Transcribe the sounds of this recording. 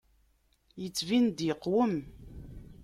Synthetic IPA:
jət͡sːvind̪jəqːwəm

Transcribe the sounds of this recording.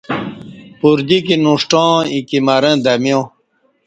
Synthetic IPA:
puɾd̪ik̬inuʂʈãːikimaɾẽd̪ɐmjõ

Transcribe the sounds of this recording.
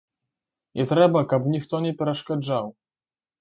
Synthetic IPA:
ɲʔɛt̪ɾɛbakapɲʲixt̪ɔɲɛpʲɛɾɛʂkad͡zaw

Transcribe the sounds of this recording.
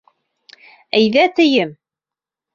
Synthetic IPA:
æjðæt̪ɘjɘm

